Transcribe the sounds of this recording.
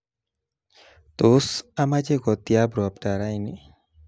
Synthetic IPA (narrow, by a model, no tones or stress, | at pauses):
t̪osamad͡ʒeɡɔt̪ijabɾɔpʈaɾajni